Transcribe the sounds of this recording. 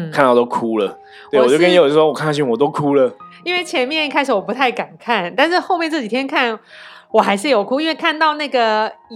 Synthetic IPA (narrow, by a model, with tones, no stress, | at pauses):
kʰa˥˧nt̪ɑ˥˩ʊt̪o˥ʊkʰu˥lə˨˥ | e˥˨˩wɔ˨˩t͡ɕo˥˧ʊkə˥njɛ˧˥jo˨˩t͡ɕo˥˩wo˥wkʰa˥˩n˥ɕi˥˩ŋwɔ˨˩t̪o˥ʊkʰu˥lə˨i˥nwe˥˩ɪt͡ɕʰjɛ˧˥nmjɛ˥˧ni˥kʰa˥ɪʂɻ̩˧˥wɔ˨˩pu˧˥t̪ʰa˥˩ɪka˨˩nkʰa˥˩nt̪a˥˧nʂɻ̩˥˧xo˥˧ʊmjɛ˥˧nt͡sɹ̩˥˩t͡ɕi˨˩t̪ʰjɛ˥nkʰa˥˩nwɔ˨˩xa˧˥ɪʂ̬ɻ̩˥˩jo˨˩ʊkʰu˥i˥nwe˥˧ɪkʰa˥˧nt̪ɑ˥˧ʊna˥˩ɡə˩